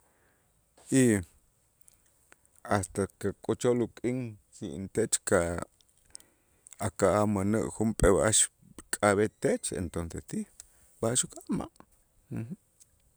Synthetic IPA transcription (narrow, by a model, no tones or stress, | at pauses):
i | ast̪akakʼot͡ʃolukʼiŋkiʔnt̪et͡ʃka | akaʔamanəʔxumpʼeβaʃ | kʼaβet̪et͡ʃḛnt̪onsest̪ix | baʃukʼaʔma̰ʔ̩ | h